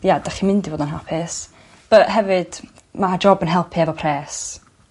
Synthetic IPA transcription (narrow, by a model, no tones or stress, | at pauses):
jadaχimɪndivoːdənɦɛlˠpʰɪs | b̥əɦɛvɨd̥ | mad͡ʒɔbənɦɛlˠpʰiɛvɔpʰrɛːs